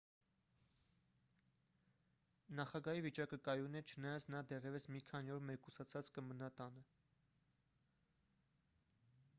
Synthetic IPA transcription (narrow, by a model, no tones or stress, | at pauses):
nɑχɑɡɑhivit͡ʃɑkəkɑjunɛt͡ʃʰənɑjɑt͡sʰnɑd̪ɛrjɛvəsmikʰɑniɔɾmɛkusɑt͡sʰɑt͡skəmənɑt̪ɑnə